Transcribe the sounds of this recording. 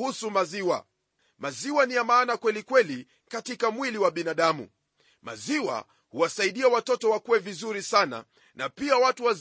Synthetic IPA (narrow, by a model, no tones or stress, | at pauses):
husumaziwa̰ | maziwaniamaːnakwɛlikwɛli | katikamwiliwaɓinaɗamṵ | ma̰ziwa̰ | huwasaiɗiawatɔtɔwakuwɛvizuɾisana̰ | napiawatuwaz